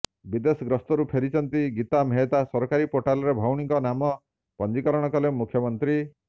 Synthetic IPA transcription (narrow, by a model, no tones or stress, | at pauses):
bid̪esɔɡɾɔst̪ɔɾupʰeɾit͡ʃʰɔnt̪iɡit̪ameɦet̪asɔɾɔkaɾipoʈalɔɾebʱɔwɽ̃ikɔnamɔ | pɔnd͡ʒikɔɾɔɽ̃ɔkɔlemukʰjɔmɔnt̪ɾi